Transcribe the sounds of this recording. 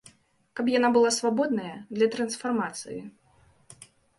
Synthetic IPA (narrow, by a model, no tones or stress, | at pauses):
kapjanabɨlˠasvabɔd̪nɐjɐd̪lʲɐt̪ɾɐnsfarmat̪sɨ̰jḭ